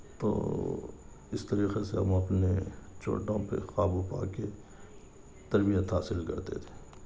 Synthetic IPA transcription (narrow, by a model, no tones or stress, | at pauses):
t̪o̰ː | ɪst̪ɐɾiːqeseɦɐ̰mɐpnet͡ʃo̰ːʈõpḛxaːbupa̰ːke | t̪ɐɾbijət̪ɦaːsɪlkɐɾt̪ḛt̪ʰe̥ː